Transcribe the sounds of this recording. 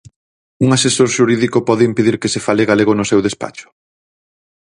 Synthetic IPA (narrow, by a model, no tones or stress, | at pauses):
uŋasesoɾʃuɾiðikʊpɔðɪimpeðiɾkesefaleɣaleɣʊnʊsewðespa̰t͡ʃʊ̥